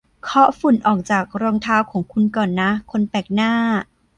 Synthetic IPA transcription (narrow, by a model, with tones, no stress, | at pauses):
kʰɔ˦˥fu˨˩˦nʔɔː˨˩k̚t͡ɕaː˨˩k̚ɾɔː˧ŋt̪ʰaː˦˥wkʰɔː˨˩˦ŋkʰu˧nkɔː˨˩nːa˦˥kʰo˧npɛː˨˩k̚naː˥˩